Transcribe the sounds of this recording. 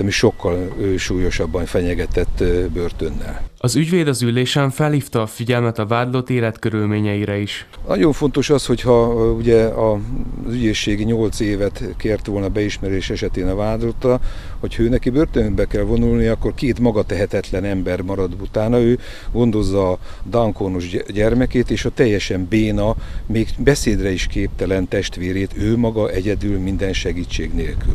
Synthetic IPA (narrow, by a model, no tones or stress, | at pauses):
ɛmiʃo̞kːɒløːʃuːjo̞ʃɒbːɒɱfɛɲɛɡɛt̪ɛt̪ːbørt̪ønːɛ̰lɒzyɟveːd̪ɒzylːeːʃɛɱfɛlhiːft̪ɒːfiɟɛlmɛt̪ɒvaːd̪lot̪eːlɛt̪køɾylmeːɲɛiɾɛiʃnʔɒ̰ɟo̞ɱfo̞nt̪oʃɒsho̞chɒuɟɛɒzyɟeːʃːeːɡɲo̞lt̪seːvɛt̪keːrt̪ʋoːlnɒbɛiʃmɛɾeːʃɛʃɛt̪eːnɒvaːd̪lot̪ːɒ | ho̞chɒøːnɛkibørt̪ønød̪bɛkɛlvo̞nulniɒkːo̞rkeːt̪mɒɡɒt̪ɛɦɛt̪ɛt̪lɛnɛmbɛrmɒɾɒd̪ut̪aːnɒøː | ɡo̞nd̪o̞zːɒː | d̪ɒŋkoːnoʒɟɛrmɛkeːt̪eːʃɒt̪ɛjːɛʃɛmbeːnɒmeːɡbɛseːd̪rɛiʃkeːp̚t̪ɛlɛnt̪ɛʃt̪ʋeːɾeːt̪øːmɒɡɒʔɛɟɛd̪ylmind̪ɛnʃɛɡiːt͡ʃːeːɡneːlky̰l